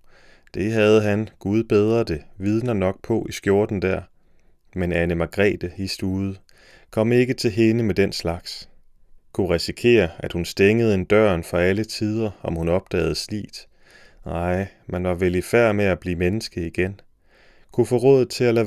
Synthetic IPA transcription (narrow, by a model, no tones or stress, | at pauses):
d̥e̝ɦæð̞ˠəɦænɡ̥uð̞ˠb̥eð̞ˠʁɐd̥e̝ʋið̞ˠnɐnɒ̽ɡ̥̚pʰɒ̽ʔisɡ̥jo̝ɐd̥n̩d̥æɐ̰ | menænəmɑɡ̥ʁɛ̰ːd̥əisd̥uːðˠə | kʰɒ̽m̰e̝ɡ̥ət͡sʰe̝lɦe̝nəmed̥en̰slɑ̈ɡ̥s | kʰuʁisikʰe̝̰ːɐæd̥hunsd̥eŋəð̞̩ˠe̝nd̥ɶ̰ɐnfɒælət͡sʰið̞ˠɐɒ̽mhunɒ̽b̥̚d̥ɛ̰ːð̞̩ˠəslḭːd̥ | nɑ̈ɪ̰ | mænʋɑ̈ʋelifæɐ̰meæb̥lḭːmenəsɡ̥əiɡ̥en | kʰufɔːʁɔːð̩ˠt͡sʰe̝lælæ